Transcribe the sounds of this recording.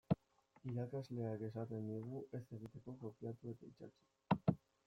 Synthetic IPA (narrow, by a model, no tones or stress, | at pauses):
iɾakazle̞aɡe̞sat̪e̞nd̪iɣuʔe̞se̞ɣit̪e̞ko̞ko̞pjat̪ue̞t̪ait͡ʃa̰t͡ʃu̥